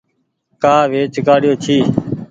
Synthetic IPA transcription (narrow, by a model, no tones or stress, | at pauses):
kaːʋeːt͡ʃkaːɽɪjoːt͡ʃʰiː